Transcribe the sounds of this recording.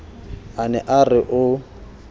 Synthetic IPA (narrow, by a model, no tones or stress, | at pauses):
anɛʔarɪʔʊ